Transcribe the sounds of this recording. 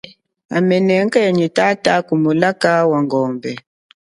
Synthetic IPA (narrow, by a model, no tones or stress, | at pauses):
a̰mɛnɛŋ̩kɛɲitatakumulakawaŋɡɔːmbɛ